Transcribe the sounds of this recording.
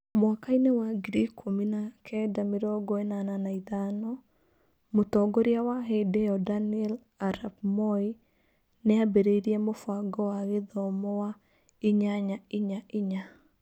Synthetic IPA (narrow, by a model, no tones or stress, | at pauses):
mwakainewaɡɾikʰːominakʰɛdameɾɔɡɔɛnananaiðanɔ | motɔɡɔɾeawaɦedɛɔdaniɛl | aɾabmɔi | neabeɾeiɾiɛmofwaɡɔwaɣeðɔmɔwa | iɲaɲaiɲaʔiɲa